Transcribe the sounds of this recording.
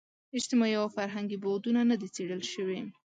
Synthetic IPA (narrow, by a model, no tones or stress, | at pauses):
ɪʃt̪ɪmɑiawfaɾɦaŋɡibod̪unanad̪it͡seɽəlʃəwe